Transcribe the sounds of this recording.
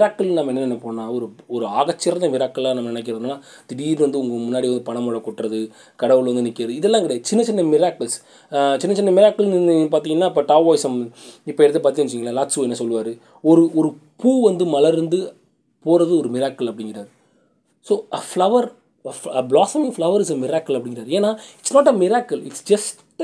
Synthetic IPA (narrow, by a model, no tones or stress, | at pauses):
mɪɾaːkːɐɭnɐmɐɛnːɐɛnːɐpoːɐnãːɔɾɯɔɾɯaːɣɐt͡ʃːɪɾɐnd̪ɐmɪɾaːkːɐɭaːnɐmɐnɪnɛk̬ːɪɾɐðɯnnːaː | t̪ɪɽiːlʋɐnd̪ɯʊŋɡɐmʊnːaːɽiʋɐnd̪ɯpɐɳɐmɔɽɐkɔʈːɾɐðɯ | kɐɽɐʋɯɭʋɐnd̪ɯnɪkːɪɾɐðɯɪðɛlːãːkɪɽeɐt͡ʃɪnːɐt͡ʃɪnːɐmɪɾaːkːɐls | t͡ʃɪnːɐt͡ʃɪnːɐmɪɾaːkːɐlipaːɾt̪̬iːŋɡɐnːaːɪpːɐːʈaːʋoːjsɐmɪpːɐɛɾɯt̪ːɯpaːɾt̪iːŋɡɐt͡ʃːiːŋɡɐlaːlaːʈsuɛnːɐsɔlːɯʋaːɾɯ | ɔɾɯɔɾɯpuːʋɐnd̪ɯmɐlɐɾɯnd̪ɯ | poːɾɐðɯɔɾɯmɪɾaːkːɐlɐpːɐɽɪŋɡɪɾaːɾ | soːʔɐflɐʋɐɾ | ɐɐblaːsɐmɪŋflɐʋɐɾɪsɐmɪɾaːkɐlɐpːɐɽɪ̃ŋɡɪɾaːɾeːnaːɪʈsnɔːʈɐmɪɾaːkɐlɪ̰ʈsd͡ʒɐsʈʈ